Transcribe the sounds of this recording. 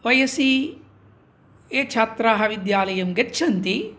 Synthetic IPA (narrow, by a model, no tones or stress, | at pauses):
ʋɐjɐsi | eːt͡ʃʰaːt̪ɾaːɦɐʋid̪jaːlɐjɐmɡet͡ʃʰɐnt̪i